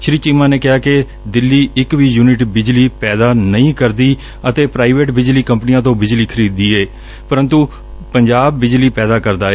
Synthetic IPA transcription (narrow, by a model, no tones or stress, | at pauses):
ʃɾiːt͡ʃiːmãːneːkɪɦaːkɪ | d̪ɪlːiːɪkʋiːjuːnɪʈbɪd͡ʒliːpɛːd̪aːnəĩːkəɾd̪iː | ət̪eːpɾaːɪʋeːʈbɪd͡ʒliːkəmpnijãːt̪̬õːbɪd͡ʒliːkʰəɾiːd̪iːeː | pəɾə̃nt̪uː | pəɲd͡ʒaːbːɪd͡ʒliːpɛːd̪aːkəɾd̪aːeː